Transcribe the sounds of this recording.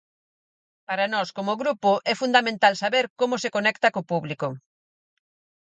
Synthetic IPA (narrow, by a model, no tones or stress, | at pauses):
paɾanɔskomʊɣɾupʊʔɛfund̪amẽnt̪alsaβeɾkomʊsekonɛkt̪ɐkopuβliko